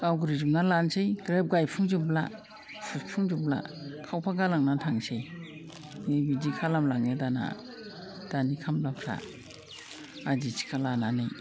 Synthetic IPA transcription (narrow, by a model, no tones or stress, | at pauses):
kawɡɾizumnalansejɡɾep̚ɡajpʰuŋd͡ʒubla̰ | suspʰuŋd͡ʒubla̰kʰawpʰaɡalaŋnatʰaŋsej | nebidikʰalamlaŋedana̰ | d̥anikʰamlapʰɾa̰ | adisʰi̥kʰalananɯj